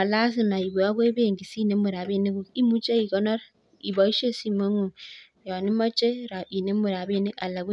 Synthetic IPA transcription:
a˨la˦s̬i˦na˨i˨βu˨a˦kwe˦βe˦˨ŋɡi˨si˦ne˦mu˨ɾa˨βe˦˨ne˦ku˨i˦mu˦t͡ʃe˦i˨kɔ˦na˦ɾ | i˨βa˨i˦ʃe˦si˦˨mwe˦ŋu˨ | wa˨ni˦ma˦t͡ʃʼe˦ɾa˨ʔi˨ne˦mu˨ɾa˨βe˦ne˦ka˨la˨ku˦

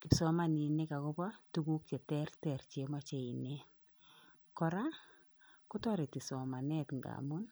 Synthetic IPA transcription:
kɪ˨sɔ˨ma˨ni˨ne˦ka˨kɔ˦pa˦tu˦ku˦k̚t͡ʃe˨tɛ˦rtɛ˨rt͡ʃe˨ma˦t͡ʃe˨i˨ne˦ | kɔ˨ɾa˦ | kʊ˦tɔ˦ɾe˨ti˨sɔ˨ma˨nɛ˦tŋɡa̰mu˦n

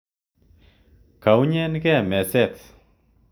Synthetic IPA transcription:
ka˨wɲɛ˦nɡɛ˦˨mɛ˨sɛ˦t̪

